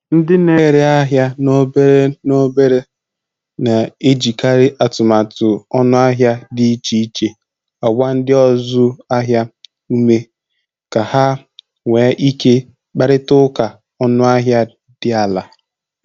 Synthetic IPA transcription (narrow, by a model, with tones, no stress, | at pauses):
n̩˦dɪ˦ne˦ɾɪ˨a˦ɦja˦no˦be˦ɾe˦no˦be˦ɾe˦ | na˨e˦d͡ʒi˨ka˦ɾɪ˦ʔa˨tʊ˨ma˨tʊ˨ɔ˦nʊ˦a˦ɦja˦dɪ˦i˦t͡ʃi˦i˦t͡ʃe˨ | ɔ˨ɡ͡bʷa˦n̩˦dɪ˦ɔ˦zʊ˦a˦ɦja˦ | u˦me˦ | ka˨ha˦ | ŋʷeː˨˦ʔi˦ke˦ | k͡pa˦ɾɪ˦tʊ˦ka˨ | ɔ˦nʊ˦a˦ɦja˦ | dɪ˦a˨la˨